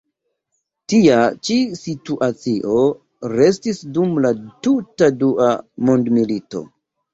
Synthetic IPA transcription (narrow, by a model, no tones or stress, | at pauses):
tiat͡ʃisituʔat͡siʔo̞ | ɾe̞stisdumlatutaduʔamondmilito̰